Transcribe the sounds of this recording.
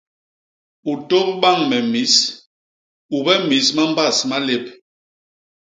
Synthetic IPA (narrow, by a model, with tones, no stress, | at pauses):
u˨to˦p̚ɓa˦˨ŋmɛ˨mi˨˦s | u˨bɛ˦mi˨˦sma˦m˦ba˦˨sma˦le˦p̚